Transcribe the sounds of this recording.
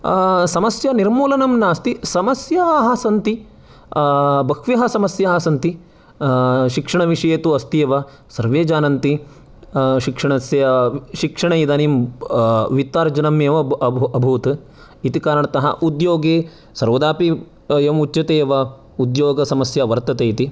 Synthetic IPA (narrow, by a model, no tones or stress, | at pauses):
sɐmɐsjɐniɾmuːlɐnɐmnaːst̪isɐmɐsjɐɦɐsɐnt̪i | bɐkʰʋijɐɦɐsɐmɐsjɐɦɐsɐnt̪i | ʃikʂɐɳɐʋiʂɐjeːt̪uɐst̪ijɐʋɐ | sɐɾʋeːd͡ʒaːnɐnt̪i | ʃikʂɐɳɐsjɐɐʃikʂɐɳɐid̪anim | ʋit̪ːaːɾd͡ʒɐnɐmeːʋɐɐbʱuːt̪ | it̪ikaːɾɐɳɐt̪ɐɦɐ̰ʔud̪joːɡeː | sɐɾʋɐd̪aːpi | jɐmut͡ʃːt͡ʃɐt̪eːʋɐ | ud̪joːɡɐsɐmɐsjɐʋɐɾt̪ɐt̪eːit̪i